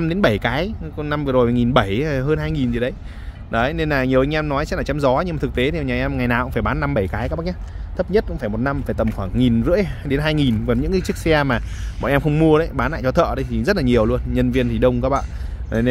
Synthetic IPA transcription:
mɗe˨˦nɓə˧˩jkaː˨˦jna˧mvzo˨˩˨ŋi˨˩nɓə˧˩jɦəː˧nhaː˧jŋi˨˩nzi˨˩ɗə˨˦j | ɗə˨˦ne˧nlaː˨˩ɲi˨˩əwʔa˧ŋ̟ʔɛ˧mnɔ˨˦jt͡ɕɛ˦˥tlaː˨˩t͡ɕa˨˦mzɔ˨˦ɲɨ˧ŋma˨˩ɨ˨˩k̚t̪e˨˦t̪ʰi˨˩˨ɲaː˨˩ʔɛ˧m˨ŋa˨˩jnaː˨˩wʔʊ̰˧˥faː˧˩jɓaː˨˦nːa˧mɓə˧˩jkaː˨˦jkaː˦˥ɓ̚ɲa˧˩ | t̪ʰə˦˥p̚ɲə˦˥t̚kʊ̰˧˥faː˧˩mo˨˩t̚na˧mfaː˧˩jt̪ə˨˩mxwaː˧˩ŋːi˨˩nzɨ̰˧˥əjɗe˨˦nɦaː˧jŋi˨˩nkɔ˨˩nɲɨ̰˧˥ŋkaː˨˦t͡ɕɨ˦˥ək̚sɛ˧maː˨˩ | mɔ̰˧˨ʔɛ˧mxə˧wŋ͡mmu˧əɾə˨˦jɓaː˨˦nla̰ː˧˨jt͡ɕɔ˨˧t̪ʰə̰ː˧˨ɗə˨˦jt̪ʰi˨˩zə˦˥t̚laː˨˩ɲi˨˩əwlu˧ənɲə˧nvi˧ənt̪ʰi˨˩ɗə˧wŋ͡mkɔː˨˦ɓa̰ː˧˨˩

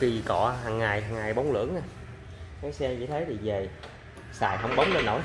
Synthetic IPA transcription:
ki˨˩kɔ̰˧˩ɦaː˨˩ŋːaː˨˩jɦaː˨˩ŋːaː˨˩jɓo˨˦wŋ͡mlɨ̰˧˥əŋa˧˦ | kaː˨˦jsɛ˧mt͡ɕḭ˧˥t̪ʰə˨˦jt̪i˨˩ve˨˩ | sa̰ː˧˨jɦə˧wŋ͡mɓə˨˦wŋ͡mle˧nːo̰˧˩˦

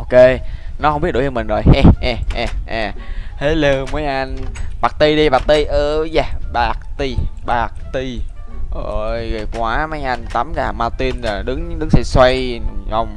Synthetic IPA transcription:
ʔo˧ke˧nɔ˨˦hŋ͡mmɓi˦˥t̚ɗo˧˦t͡ɕɔ˧mï˨˩ŋ̟zo˨˩jhɛ˧˩ʔɛ˨˩ʔaː˨˩ʔaː˨˩he˨˦lə˧˩mə˨˦jʔa˧nɓaː˨˩k̚t̪i˧ɗi˧ɓaː˨˩k̚t̪i˧ʔəː˨˦zaː˧˩ɓaː˨˩k̚t̪i˧ɓaː˨˩k̚t̪i˧ʔə˧˩jə˨˩kwaː˨˦ma˨˦jʔa˧nt̪a˨˦mzaː˨˩maː˧wt̪i˧nzaː˨˩ɗɨ˨˦ŋɗɨ˨˦ŋsɛ̰˧˥swa˧jhə˧wŋ͡m

